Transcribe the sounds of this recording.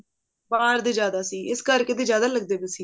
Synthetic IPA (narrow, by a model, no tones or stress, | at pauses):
baːɾd̪iːd͡ʒjaːd̪aːsiːɪskəɾkeːd̪eːd͡ʒjaːd̪aːləɡ̚d̪eːbesiː